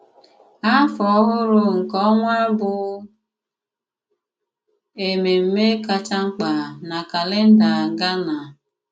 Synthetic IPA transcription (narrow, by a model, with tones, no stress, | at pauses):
a˦fɔ˨˦ɦʊ˦ɾʊ˨ŋ̩˨kɔ˦ŋʷa˦bʊ˨ | e˨me˨m̩˦me˦ka˨t͡ʃa˦ŋ͡m̩˦k͡pa˨na˨ka˨lɪ˦n̩˦da˨ŋ̩˨ɡa˦na˨